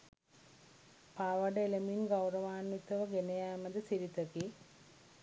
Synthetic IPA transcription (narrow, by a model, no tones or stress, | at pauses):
paʋɐɖelɐminɡɐwrɐʋaːnːit̪ːɐʋɐɡenɐjaːmɐd̪ɨsiɾit̪ɐki